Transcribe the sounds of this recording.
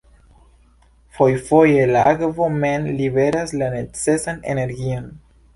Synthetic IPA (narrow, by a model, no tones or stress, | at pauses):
fo̞jfo̞je̞laʔakvo̞me̞nlibe̞ɾaslane̞t͡se̞sane̞̰ne̞ɾɡio̞n